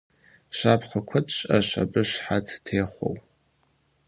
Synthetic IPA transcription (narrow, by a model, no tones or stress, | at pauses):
ʃaːpʰχɐkʷʰɐtʼt͡ʃʼɐʃa̰bɨʃħatʰtʰeːχʷo̰w